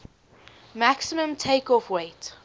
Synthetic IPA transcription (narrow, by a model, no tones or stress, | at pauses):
maksimə̃mtʰeɪkɔfweɪt